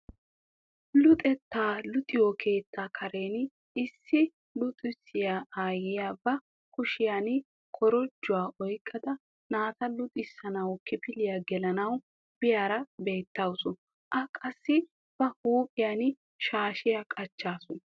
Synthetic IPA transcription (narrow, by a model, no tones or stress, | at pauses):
lʊt̪ʼɛt̪ːaːlʊt̪ʼɪjokʰe̞ːt̪ːaːkʰɐɾe̞ːn | ɪsːɪ | lʊt̪ʼɪsːɪjaaːjɪjaːbɐ | kʊʃɪjan | kʰɔɾɔd͡ʒːʊwaːʔɔjkʼːɐd̪ɐ | naːt̪ɐlʊt̪ʼɪsːɐnɐwkɪpɪlɪjaɡɛlɐnɐw | b̥ɪjaːɾɐbe̞ːt̪ːɐwsʊ | ʔɐkʼɐsːɪ | b̥ɐhuːpʼɪjan | ʃaːʃɪjakʼɐt͡ʃːaːsʊn